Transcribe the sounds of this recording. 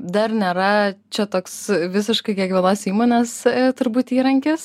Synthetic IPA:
d̪ɐrnʲeːɾɐt͡ʃʲɛt̪oːksʋʲɪs̬ʲɪʃkɐɪkʲiɛkʋʲiɛlˠoːsʲiːmoːnʲɛst̪ʊɾbuːt̪iːɾɐŋʲkʲɪs

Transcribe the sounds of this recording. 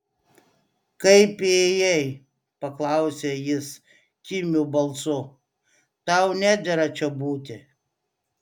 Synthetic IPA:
kɐɪpejɛɪ | pɐklˠɐʊsʲeːjɪs | kʲɪmʲubɐlˠsʊ | t̪ɑˑʊnʲæːd̪ʲɛɾɐt͡ʃʲɛbuːt̪ʲɪ

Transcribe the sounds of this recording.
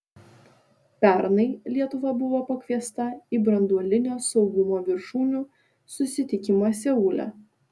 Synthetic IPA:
pʲæɾnɐɪlʲiɛt̪ʊʋɐbʊʋoːpɐkʲʋʲiɛst̪ɐiːˑbɾɐnd̪uɔlʲɪnʲoːsɒʊɡʊmoːʋʲɪɾʃuːnʲuː | sʊsʲɪt̪ʲɪkʲɪmosʲɛuːlʲɛ̰

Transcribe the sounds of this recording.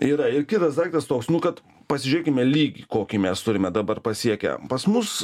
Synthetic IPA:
iːɾɐɪrkʲɪt̪ɐsd̪ɑːkt̪ɐst̪oːksnʊkɐt̪ | pɐsʲɪʒʲʊɾʲeːkʲɪmʲɛlʲiːɡʲiːkoːkʲiːmʲɛst̪ʊɾʲɪmʲɛd̪ɐbɐrpɐsʲiɛkʲɛ̰pɐsmʊs

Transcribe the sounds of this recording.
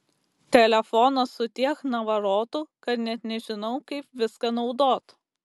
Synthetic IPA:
t̪ʲɛlʲɛfɔnɐsʊt̪ʲiɛknɐʋɐɾoːt̪ʊkɐt̪nʲɛt̪nʲɛʒʲɪnɐʊkɐɪpʋʲɪskɐnɒʊd̪oːt̪

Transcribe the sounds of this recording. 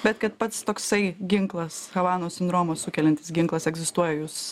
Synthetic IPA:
bʲɛt̪kɐt̪pɐt̪st̪oːksɐɪɡʲɪŋklˠɐsxɐʋɑːnoːsʲɪnd̪ɾoːmoːsʊkʲɛlʲɛnʲt̪ʲɪ̥sɡʲɪŋklˠɐsɛɡzʲɪst̪uɔjɛjuːs

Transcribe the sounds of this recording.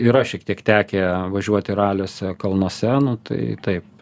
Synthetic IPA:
ɪɾɐʃʲiɛkt̪ʲiɛkt̪ʲæːkʲeʋɐʒʲuɔt̪ʲɪɾɑːlʲoːsʲɛkɐlˠnoɔsʲɛnʊt̪ɐ̰ɪt̪ɐɪp̚

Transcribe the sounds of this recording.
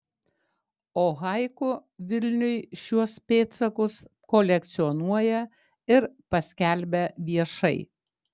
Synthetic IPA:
oːɣɑɪkʊʋʲɪlʲnʲʊjʃʲuɔspʲeːt̪sɐkʊskɔlʲɛk̚t̪sʲɪɔnuɔjɛ | ɪɾpɐsʲkʲɛlʲˑbʲɛʋʲiɛʃɐɪ

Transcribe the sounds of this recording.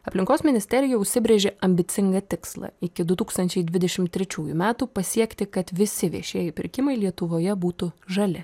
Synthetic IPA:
ɐpʲlʲɪŋkoːsmʲɪnʲɪsʲt̪ʲɛɾʲɪjɛʊʃʲsʲɪbʲɾʲeːʒʲeʔɐmʲbʲɪt̪sʲɪŋɡɐt̪ʲɪkslˠɐ̰ɪkʲɪd̪ʊt̪uːkst̪ɐnʲt͡ʃʲɛɪd̪ʲʋʲɪd̪ʲɛʃʲɪmt̪tʲːɾʲɛt͡ʃʲuːjṵmʲæːt̪upɐsʲiɛkt̪ʲɪkɐt̪ʋʲɪsʲɪʋʲiɛʃʲiɛjɛpʲɪɾʲkʲɪmɐɪlʲiɛt̪ʊʋoːjɛbuːt̪ʊʒɐlʲɪ

